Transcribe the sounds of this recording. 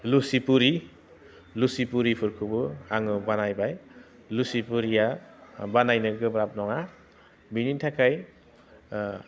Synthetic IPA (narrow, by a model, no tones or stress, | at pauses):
lusipuɾi | lusipuɾipʰɯɾkʰɯbɯaŋɯbanajbaj | lusipuɾiabanajnɯɡɯbɾap̚nɔŋa | binintʰakʰaj